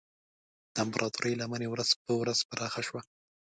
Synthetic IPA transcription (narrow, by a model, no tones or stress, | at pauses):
t̪ampɾʔɑt̪uɾʔəjlamanewɾaz̥pəwɾaz̥paɾʔɑxaʃwa